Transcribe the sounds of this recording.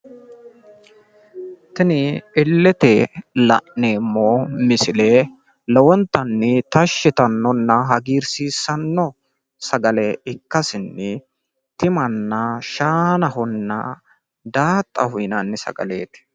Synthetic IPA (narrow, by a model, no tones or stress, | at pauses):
t̪ɪnɪɪlːɛt̪ɛlɐ̰ʔneːmːoːmɪsɪleː | lɔwɔnt̪ːɐnːɪt̪ɐʃːɪt̪ɐnːɔnːɐɦɐɡiːɾsiːsːɐnːɔ | sɐɡɐlɛɪkːɐsɪnːɪ | t̪ɪmɐnːɐʃaːnɐɦɔnːɐ̰ | d̪aːt̪ʼːɐhʊɪnɐnːɪsɐ̰ɡɐ̰le̞ːt̪ɪ̥